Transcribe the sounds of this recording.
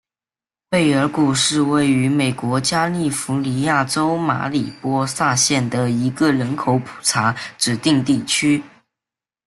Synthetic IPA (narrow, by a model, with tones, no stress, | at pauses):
pe˥˩ɪə˞˧˥ku˨˩ʂɻ̩˥˧we˥˩ɪy˧˥me˨˩ɪkwɔ˧˥t͡ɕja˥li˥˩fu˧˥li˧˥ja˥˩ʈ͡ʂo˥ʊma̰˧˥li˨˩pwɔ˥sa˥˧ɕjɛ˥˩nd̪ə˩i˧˥ɡə˧ɻə˧˥nkʰo˧˥ʊpʰu̥˨˩ʈ͡ʂʰa˧˥ʈ͡ʂɻ̩˨˩t̪i˥˧ŋt̪i˥˩t͡ɕʰy˥